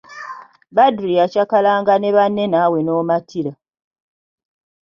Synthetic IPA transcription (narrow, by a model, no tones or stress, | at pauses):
badɾijacakalaːŋɡane̞βanːe̞naːwe̞noːmatʰiɾa